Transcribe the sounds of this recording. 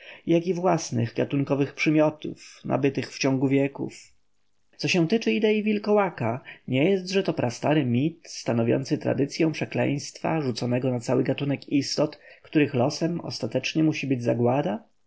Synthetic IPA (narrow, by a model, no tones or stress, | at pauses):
jakivwasnɘ̰ɣɡat̪uŋkɔvɘxpʂɘmʲjɔt̪ṵfnʔa̰bɘt̪ɘxft͡ɕɔ̃ŋɡuvʲjɛkṵf | t̪sɔɕɛw̃t̪ɘt͡ʂɘid̪ɛivʲilkɔwakaɲɛjɛst̪ʐɛt̪ɔpɾʔast̪aɾɘmʲit̪st̪anɔvʲjɔ̰nt̪sɘt̪ɾa̰d̪ɘt̪sʲjɔ̃w̃pʂɛklɛ̰̃j̃st̪fa̰ʐut̪sɔnɛɡɔnat̪sawɘɡat̪unɛkist̪ɔt̪kt̪uɾɘxlɔsɛmɔ̰st̪at̪ɛt͡ʂɲɛmuɕibɘd͡ʑzaɡwad̪a